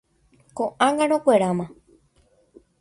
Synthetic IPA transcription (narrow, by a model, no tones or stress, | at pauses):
kõʔãŋɡãɾ̃õkʷeɾãmã